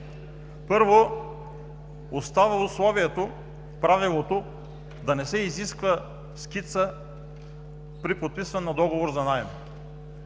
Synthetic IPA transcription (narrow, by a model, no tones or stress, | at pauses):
pɤɾvo | ost̪avɐʊslˠɔviɛt̪o | pɾavilˠot̪o | d̪ɐnɛsɛiziskvə | skit̪sə | pɾipot̪̚pisvənːɐd̪ɔɡovoɾzɐnajm